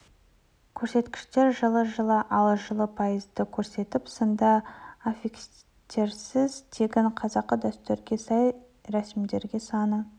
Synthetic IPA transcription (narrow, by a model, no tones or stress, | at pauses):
kʲʰɵɾse̞t̪kʲɪ̥ʃt̪e̞ɾʒəlˠəʒəlˠəʔɑlˠəʒəlˠəpʰɑjəzd̪əkʲʰɵɾse̞t̪ɪpsənd̪ɑafiks | t̪ʰe̞ɾsɪzt̪ʰe̞ɡʲɪɴqʰɑzɑqːəd̪æst̪øɾɡʲe̞sɑj | ɾæsɪmd̪e̞ɾɡʲe̞sɑnə